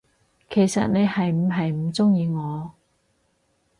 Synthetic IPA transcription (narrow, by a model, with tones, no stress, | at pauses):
kʰe˨˩jsɐ̰˨t̚ne˨˧jhɐ˨jm̩˨˧ɦɐ˨jm̩˨˩t͡sʊ˥ŋjiː˧ŋɔː˨˧